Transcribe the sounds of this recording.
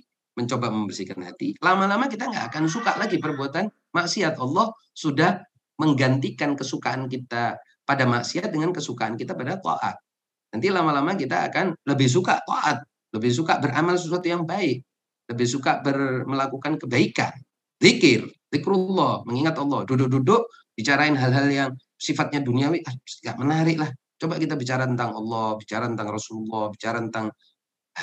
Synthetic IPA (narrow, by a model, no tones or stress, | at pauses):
məɲt͡ʃobaməmbərsikanha̰t̪ilamalamakit̪aŋɡa̰ʔakans̬ukaʔlaɡipərbuat̪an | maʔsiat̪ɑlˠːɔh | sudah | məŋɡant̪ikankəsukaɦank̬it̪a | padamaʔsiat̪̚dəŋankəsukaɦankit̪apadat̪ɔ̰ʔa̰t̪̚ | nant̪ilamalamakit̪a̰ːkanləbɪhs̬ukaʔt̪ɔ̰ʔat̪̚ | ləbɪhs̬ukaʔbərʔamals̬əsuat̪ujaŋbaɪk̚ | ləbɪhsukabərməlakukankəbaika̰n | ðikɪrðɪkɾulːɔhməŋiŋat̪ɑlːɔhdudʊʔ̚dudʊʔb̥it͡ʃaɾaɪnɦalɦaljaŋ | sifat̪̚ɲaduniawiasŋɡaʔmənaɾɪʔlah | t͡ʃobakit̪abit͡ʃaɾat̪ənt̪aŋɑlːɔbit͡ʃaɾat̪ənt̪aŋrɔsululːɔhbit͡ʃaɾat̪ənt̪aŋ